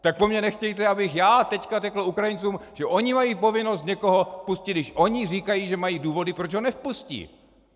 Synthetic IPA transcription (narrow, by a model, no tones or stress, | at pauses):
t̪ak̚pomɲɛnɛxcɛjt̪ɛabɪxjaːt̪ɛckarɛkl̩ukɾajɪnt͡suːmʒ̥ɛʔo̞ɲɪmajiːpo̞vɪnost̪ɲɛko̞ɦo̞fpuscɪd̪nɪʃʔo̞ɲɪriːkajiʒɛmajiːduːvo̞dɪpɾot͡ʃɦonɛfpuscḭː